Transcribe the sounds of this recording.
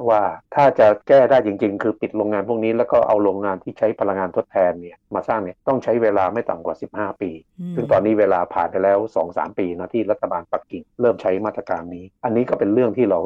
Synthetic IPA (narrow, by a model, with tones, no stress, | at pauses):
waː˥˩t̪ʰaː˥˩t͡ɕa˨˩kɛː˥˩daː˥˩jt͡ɕi˧ŋt͡ɕi˧ŋkʰɯː˧pi˨˩t̪̚ɾoː˧ŋːaː˧npʰu˥˩əkniː˦˥lɛː˦˥wkɔː˥˩ʔa̰˧wɾoː˧ŋːaː˧nt̪ʰiː˥˩t͡ɕʰa˦˥jpʰa˧la˧ŋːaː˧nt̪ʰo˦˥t̪ʰːɛː˧nːi˥˩ɐmaː˧saː˥˩ŋni˥˩ɐt̪ɔ˥˩ŋt͡ɕʰa˦˥jweː˧laː˧ma˥˩jt̪a̰˨˩ŋkwaː˨˩si˨˩p̚haː˥˩piː˧sɯ˥˩ŋt̪ɔː˧nːiː˦˥weː˧laː˧pʰa̰ː˨˩npa˧jlɛː˦˥wsɔː˩˦ŋsa̰ː˩˦mpiː˧naː˦˥˩t̪ʰiː˥˩ɾa˦˥t̪ʰːa˧baː˧npa˨˩kːi˨˩ŋɾɤː˥˩mt͡ɕʰa˦˥jmaː˥˩t̪ɾa˧kaː˧nːiː˦˥ʔa˧nːiː˦˥kɔː˥˩pe˧nlɯ˥˩əŋt̪ʰiː˥˩ɾa˧w